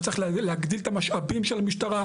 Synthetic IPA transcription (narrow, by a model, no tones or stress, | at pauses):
tt͡sʁiχlleaɡd̪ilet̪amaʃʔabimʃelamiʃt̪aʁa